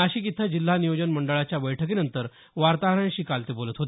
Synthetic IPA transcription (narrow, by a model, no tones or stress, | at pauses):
əɕiːkit̪ʰəd͡ʑil̤ːanijod͡ʑənməɳɖəɭat͡ɕjaʋəjʈʰək̬eːnənt̪əɾ | ʋaɾt̪aɦəɾãɳɕiːkalt̪iːbolət̪ɦot̪